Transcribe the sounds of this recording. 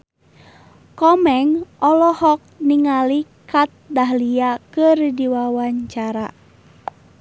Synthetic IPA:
kɔmɛŋʔɔlɔhɔk̚niŋalikat̪̚daɦliakɨrdiwawaɲt͡ʃaɾa̰

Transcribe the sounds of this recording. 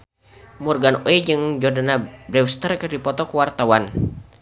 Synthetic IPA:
murɡanoɛd͡ʒɨŋd͡ʒɔrdanabɾɛwst̪ərkərdipɔt̪ɔkəwart̪awan

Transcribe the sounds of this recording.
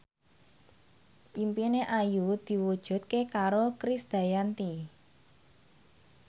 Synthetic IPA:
ʔimpineʔajud̪̥i̤wud̥ʒ̥ṳd̪̚kekaɾokɾisd̪̥a̤jant̪i

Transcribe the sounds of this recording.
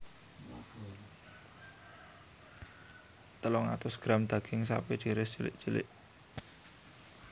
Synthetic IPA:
t̪əlɔŋa̰t̪ʊsɡ̥ɾa̤md̪̥ä̤ɡ̥ɪŋsa̰ped̥ʒ̥i̤ɾɪsd̥ʒ̥əlɪ̰ʔd̥ʒ̥ə̤lɪ̰ʔ

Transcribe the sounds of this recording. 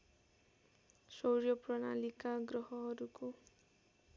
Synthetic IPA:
sowɾjɔpɾɔna̰likaɡɾɔɦɔɦʌɾuku

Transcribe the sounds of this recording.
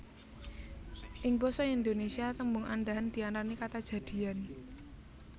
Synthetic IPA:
ʔɪŋbɔsɔiind̪onesiat̪əmbʊŋʔanɖaɦand̪̥iananikat̪ad̥ʒ̥a̤d̪̥i̤an

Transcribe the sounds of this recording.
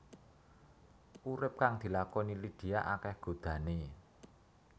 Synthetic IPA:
ʔuɾɪp̚kaŋd̪̥i̤lakɔnilid̪̥i̤aʔakɛhɡ̥o̤d̪̥ä̤ne

